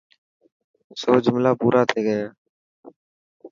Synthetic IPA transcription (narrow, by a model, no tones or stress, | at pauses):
soːd͡ʒʊmlaːpuːɾʔaːt̪ʰeːɡəjaː